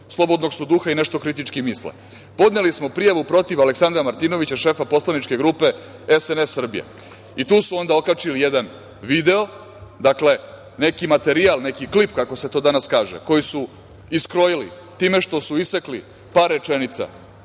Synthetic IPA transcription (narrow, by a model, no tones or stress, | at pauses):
slˠo̞bo̞d̪no̞ɡsud̪uxaineʃt̪o̞kɾit̪it͡ʂkimislḛ | po̞d̪nelismo̞pɾijaʋupɾo̞t̪iʋale̞ksand̪ɾamaɾt̪iːno̞ʋit͡ɕaʃe̞ːfapo̞slˠanit͡ʃke̞ɡɾuːpe̞ | esenesːr̩bḭjḛ | it̪uːsuo̞nd̪aokat͡ʃilijed̪an | ʋiːd̪e̞o̞ | d̪akle̞ | ne̞kimat̪e̞ɾialne̞kiklipkako̞se̞t̪o̞d̪anaskaːʒḛko̞jisu | iskɾo̞jilḭ | t̪iːme̞ʃt̪o̞suisekli | paɾːe̞t͡ʃe̞nit̪sa̰